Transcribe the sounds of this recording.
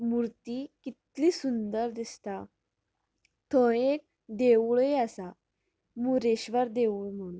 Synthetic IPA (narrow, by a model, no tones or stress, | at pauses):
muɾt̪iːkit̪liːsund̪əɾd̪ist̪a | t̪ʰoek̚ | d̪eʋuɭeasa | muɾeɕʋəɾd̪eʋuɭm̤əɭu